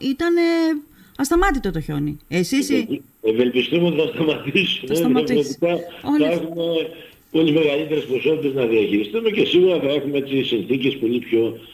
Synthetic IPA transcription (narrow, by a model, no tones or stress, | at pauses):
it̪ɐneɐst̪ɐmɐt̪it̪o̞t̪o̞ço̞̰niesis | eve̞lpist̪umeot̪iθɐst̪ɐmɐt̪isumesɐevot̪ikɐoɐexume̞ | po̞lime̞ɣɐlit̪e̞ɾespɾo̞so̞t̪it̪e̞znɐðiɐçiɾist̪ume̞ce̞siɣuɾɐθɐe̞xumeet͡ssisinθice̞spo̞lipço̞